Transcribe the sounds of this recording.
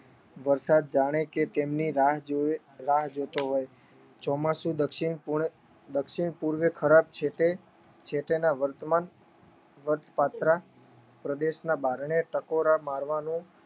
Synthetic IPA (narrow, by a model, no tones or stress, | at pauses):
ʋəɾsad̪̚d͡ʒaɽ̃eket̪emniɾaɦd͡ʒ | ɾaɦd͡ʒot̪oɦoj | t͡ʃɔmasũd̪əkʃiɳ | d̪əkʃiɳpuɾʋekʰəɾab̚t͡ʃʰeʈe | t͡ʃʰeʈ̪enaʋəɾt̪man | ʋəɾt̪ʰpat̪ɾa | pɾəd̪eʃnabaɾɳeʈəkoɾamaɾʋanũ